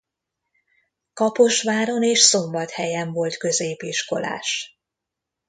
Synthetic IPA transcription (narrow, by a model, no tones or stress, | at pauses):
kɒpo̞ʃʋaːɾo̞neːʃso̞mbɒt̪hɛjɛɱvo̞lt̪kø̞zeːpiʃko̞̰la̰ːʃ